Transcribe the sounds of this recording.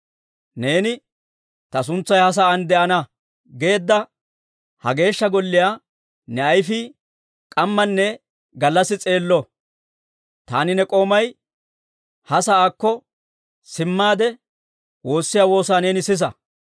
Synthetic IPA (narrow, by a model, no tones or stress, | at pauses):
ne̞ːnɪ | t̪ɐs̬ʊnt͡sːɐjhɐs̬ɐːnd̪ɛʔɐnɐ | ɡe̞ːd̪ːɐ | hɐ̰ɡe̞ːʃːɐɡɔlːɪjaː | nɛɐjfɪ | kʼɐmːɐnːɛ | ɡɐlːɐsːɪt͡sʼe̞ːlːɔ | t̪a̰ːnɪnɛkʼo̞ːmɐj | hɐsɐaːkːɔ | sɪmːaːd̪ɛ | wo̞ːsːɪjaːwo̞ːsaːne̞ːnɪsɪs̬ɐ̰